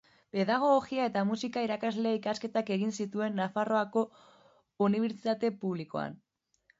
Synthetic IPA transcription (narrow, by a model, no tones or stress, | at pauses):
pe̞ðaɣ̞oɣoɣiae̞t̪amusikaiɾakazle̞ikaske̞t̪ake̞ɣinsit̪ue̞nːafaro̞ako̞ | uniβ̞eɾt͡sit̪at̪e̞puβ̞liko̞̰a̰n